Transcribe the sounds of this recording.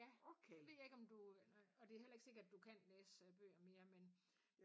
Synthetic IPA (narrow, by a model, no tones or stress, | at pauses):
jæokʰeʋe̝jɑ̈e̝ɡ̥ɒ̽md̥uɒ̽d̥e̝helɐeɡ̥se̝ɡ̥ɐd̥d̥ukʰænleːsb̥ø̰ːɐme̝ːɐmen